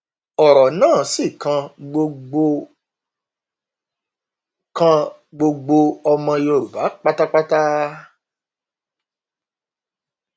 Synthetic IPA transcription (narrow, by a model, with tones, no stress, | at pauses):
ɔ˨ɾɔ˨nãː˦˨si˦˨kã˧ɡ͡bo˧ɡ͡bo˧ | kã˧ | ɡ͡bo˧ɡ͡bo˧ɔ˧mã˧jo˧˨ɾu˨ba˨˦k͡pa˦ta˦k͡pa˦ta˦